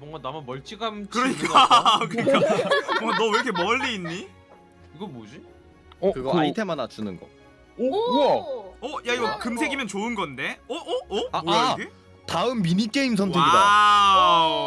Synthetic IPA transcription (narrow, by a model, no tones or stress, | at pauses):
bʌŋɡanamamʌɭt͡ɕ͈iɡamkɯɾʌɲik͈akɯik͈aboŋɡanʌɯɾʌkʰemʌʎːiːnːi | iɡʌmod͡ʑi | ʌkɯɡʌɯaitʰe̞manat͡ɕunɯnɡʌ̰ | ʌjaiɡʌkɯmsʰe̞ɡimjʌnt͡ɕoɯnɡʌnde̞ʌʔːaoɡe | taɯmːiɲik͈e̞ims̬ʰʌntʰɯɡida